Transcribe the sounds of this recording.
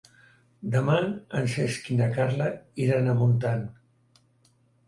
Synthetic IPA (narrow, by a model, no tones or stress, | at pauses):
d̪əmaənseskinakaɾlaiɾanəmunt̪an